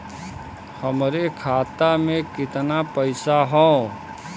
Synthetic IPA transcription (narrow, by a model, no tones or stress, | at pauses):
həmɾekʰaːt̪amẽkɪt̪napəɪsaɦõː